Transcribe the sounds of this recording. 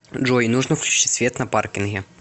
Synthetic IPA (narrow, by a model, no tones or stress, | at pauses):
dʐoɪnuʐnəfklʲʉ̥t͡ɕt͡ɕi̥tʲsvʲeɛt̪nɐpa̰rkʲɪnɣʲɪ